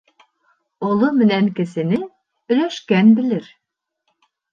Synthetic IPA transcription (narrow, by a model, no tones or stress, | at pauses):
olˠʊmɪnɛnkʲesɪnɪ | yløʃkʲɛnbɪlɪɾ